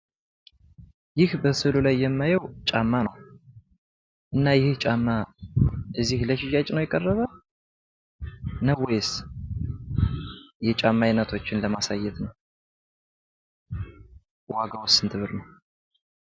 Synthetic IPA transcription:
jɪhbəsɨlulajːɛmːajəwt͡ʃʼamːanəw | ʔɨnːajɪhht͡ʃʼamːa | ʔɨzːihləʃiʒat͡ʃʼnəwjɛkʼərːəβə | nəwjɛs | jɛt͡ʃʼamːajnːət̪ʰo̞t͡ʃːɪnləmasajːɛt̪nəw | waɡawʊsɨnt̪ʰɨβɨɾnəw

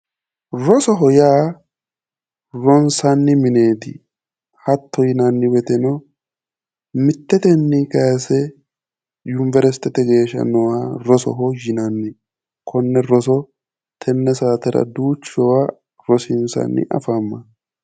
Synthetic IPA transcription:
ɾɔsɔɦɔjaː | ɾɔnsɐnːɪmɪneːt̪ɪ̰ | hɐt̪ːɔjɪnɐnːɪwɛt̪ɛnɔ | mɪt̪ːɛt̪ɛnːɪkɐjɐsɛ | jʊnvɛɾɛst̪ɛt̪ɛɡe̞ːʃɐ̰nɔwaɾɔsɔ̰ɦɔjɪnɐnːɪ | kʰɔnːɛɾɔsɔ | t̪ʰɛnːɛsaːt̪ɛɾɐ̰d̪uːt͡ʃːɔwa | ɾɔsɪnsɐ̰nːɪ̰ʔɐ̰famːɐ

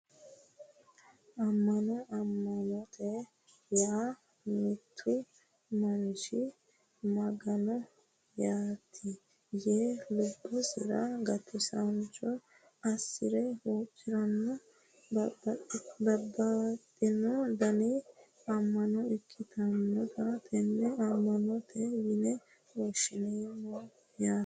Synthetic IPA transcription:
ʔɐmːɐnɔɐmːɐnɔt̪ɛ | jaː | mɪt̪ʰːʊ | mɐnʃɪ | mɐɡɐnɔ | jaːt̪ʰi | jeːlʊbːɔsɪɾɐ̰ɡɐt̪ʰɪsɐnt͡ʃʼːɔ | ɐsːɪɾɛwoːt͡ʃʼːɪɾɐnːɔ | bɐbɐt̪ʼːɪnɔd̪ɐnɛ | ɐmːɐnɔɪkʰːɪt̪ɐnːɔt̪ɐt̪ɛnːɛɐmːɐnɔt̪ʰɛjɪnɛ | woʃɪneːnɔ | jaː

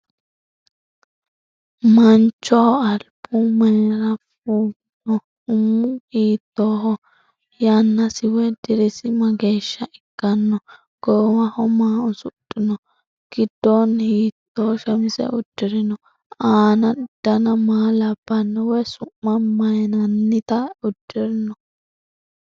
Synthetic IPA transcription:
mɐnt͡ʃːɔɐlpʊmeːɾafuːɡ | nɔ | ʊmːuhiːt̪ːoːɦɔ | janːasɪwɛd̪ɪɾisɪmɐɡeʃːɐɪɡ̥ːɐnːɔ | ɡ̥ɔɔwɐhɔmaːʊsʊtʼːɪnɔ | ɡ̥ɪd̪ːonhiːt̪ːɔːʃɐmɪsɛ̰ʔʊdːɪɾɪnɔ | aːnɐɪd̪̥ɐnɐmaːlɐb̥ːɐnːɔwɔsʊmːɐmɐjnɐnːɪt̪ɐʊdːɪɾɪnɔ

